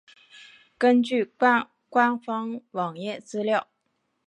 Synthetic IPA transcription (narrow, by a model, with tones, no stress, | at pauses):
kə˥nt͡ɕy˥˩˥ | kwa˥nfɑ˥ŋwɑ˨˩ŋjɛ˥˩t͡sɹ̩˥ljɑ˥˩ʊ